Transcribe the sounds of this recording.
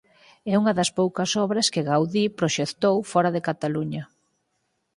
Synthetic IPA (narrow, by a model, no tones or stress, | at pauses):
ɛuŋɐðɐspowkɐsɔβɾɐskɪɣawðipɾoʃekt̪owfɔɾɐðɪkat̪aluɲɐ